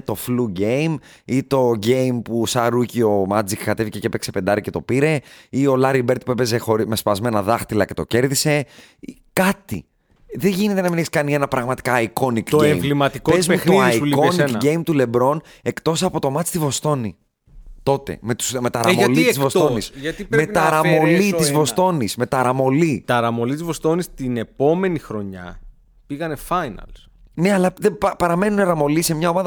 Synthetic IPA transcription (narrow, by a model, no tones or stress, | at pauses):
t̪o̞fluɟe̞jm | it̪o̞ɟe̞jmpusɐɾucio̞mɐd͡zikkɐt̪e̞vice̞cepekse̞pend̪ɐɾice̞t̪o̞piɾe̞io̞lɐɾibeɾt̪i̥pue̞pe̞zexo̞ɾime̞spɐzme̞nɐðɐxt̪ilɐce̞t̪oce̞ɾðise̞ | kɐt̪ḭ | ðeʝinet̪e̞nɐmineçi̥skɐnie̞nɐpɾɐɣmɐt̪i̥kɐːiko̞nikt̪oɟemvlimɐt̪ikoezmeuxɾoiɐsiuionseɟe̞jmt̪ule̞bɾo̞n | e̞kt̪o̞sɐpo̞t̪o̞mɐt̪ist̪ivo̞st̪o̞nḭ | t̪o̞t̪e̞̰me̞t̪u̥sme̞t̪ɐɾɐmɐliizvost̪o̞nisʝɐime̞t̪ɐɐɾɐmo̞lit̪izvo̞st̪o̞nisme̞t̪ɐɾɐmo̞lit̪ɐɾɐmo̞lit̪izvo̞st̪o̞nist̪ine̞po̞me̞nixɾo̞ɲɐ̰ | piɣɐne̞fɐjnɐ̰ls | ne̞ɐlɐðepɐɾɐme̞nunɐɾɐmo̞lise̞mɲɐo̞mɐðɐ